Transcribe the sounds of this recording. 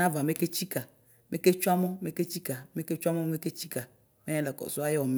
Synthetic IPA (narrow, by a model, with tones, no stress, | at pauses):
ã˦va˨me˦ke˦t͡ʃi˦ka˨ | mʔe˦ke˦t͡ʃu˦a˦mɔ˦me˦ke˦t͡ʃi˦ka˨me˦ke˦t͡ʃu˦a˦mɔ˦me˦ke˦t͡ʃi˦ka˨ | me˦ɛ̃˦lɛ˨kɔ̰˨so˦a˦jɔ˨m